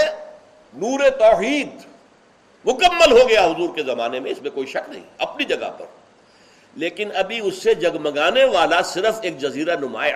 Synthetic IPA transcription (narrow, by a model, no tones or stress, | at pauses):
nuːɾet̪ɔːhiːd̪ | mʊkəmːəlɦoɡɐjaɦʊzuːɾkezɐmaːnemẽɪsmẽkoːiʃɐknɐ̰ɦḭ̃ɐpnid͡ʒɐɡa̰pɐ̰ɾ | leːkɪnɐbʱiʊsːed͡ʒɐɡmɐɡaːneʋaːlasɪɾəfeːk̚d͡ʒɐziːɾanʊma̰ː